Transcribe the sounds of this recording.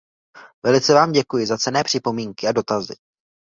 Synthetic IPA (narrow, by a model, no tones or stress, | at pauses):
vɛlɪt͡sɛvaːmɟɛkujɪzat͡sɛnɛːpr̥ɪpo̞miːŋkɪado̞t̪azɪ̰